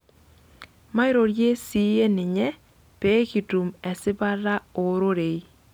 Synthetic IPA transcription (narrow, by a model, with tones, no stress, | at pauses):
ma˦ɪ˦ɾo˨ɾje˦si˦e˦nɪ˨ɲɛ˦ | pe˦ki˨tu˨mɛ˨sɪ˦ba˦ɾa˦o˨ɾo˦ɾe˨i˦